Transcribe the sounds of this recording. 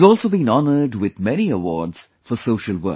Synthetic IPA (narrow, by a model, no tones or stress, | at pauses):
zɔːlˠsoʊbĩnɑnəɖwɪðmɛniəwɔ̰ːdz̥ | fəsoʊʃəlwɜ̰˞